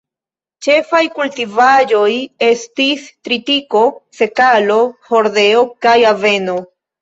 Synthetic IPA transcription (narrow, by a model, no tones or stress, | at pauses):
t͡ʃe̞fajkultivaʒo̞je̞stistɾitiko̞se̞kalo̞hoɾde̞okajave̞no̞